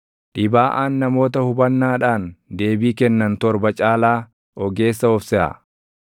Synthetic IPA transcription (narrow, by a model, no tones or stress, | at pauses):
ᶑɪbaːʔaːnːɐmo̞ːt̪ɐhʊbɐnːaːᶑaːnd̪e̞ːbiːkɛnːɐnt̪ɔɾbɐt͡ʃʼaːlaː | ʔɔɡe̞ːsːɐɔfsɛʔɐ̰